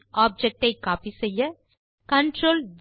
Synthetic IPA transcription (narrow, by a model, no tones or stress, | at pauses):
aːb̚d͡ʒɛk̚ʈɐɪkaːpisɐjːɐ | kɐɳʈɾoːld̪